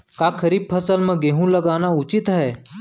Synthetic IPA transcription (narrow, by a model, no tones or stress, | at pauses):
kakʰəɾiːb̚pʰəsəlmə̃ɡeɦũːləɡanaut͡ɕit̪ɦɛ